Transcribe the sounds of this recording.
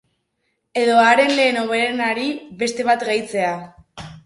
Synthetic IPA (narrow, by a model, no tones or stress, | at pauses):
e̞ðo̞aɾe̞nle̞ːno̞β̞eɾenaɾiβe̞st̪e̞βat̪ɣajt͡se̞a